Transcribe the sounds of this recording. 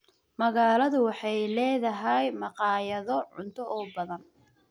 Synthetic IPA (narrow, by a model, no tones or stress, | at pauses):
mɐɣaːlɐðʊwɑħɑjlɛːðɐɦɛjmɑqɑːjɐðɔʕʊ̰nt̪ʰɔʔɔːbɐðɐn